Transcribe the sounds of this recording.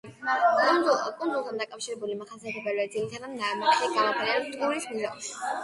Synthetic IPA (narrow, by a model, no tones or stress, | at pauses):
kʼunkʼund̪zulˠt̪ʰand̪akʼafʃiɾɛbulimaχasiat̪ʰɛbɛɾɛd̪zilit̪ʰanamnamaksiɡamapʰɛnɛt̪ʼuɾismuʒaɔba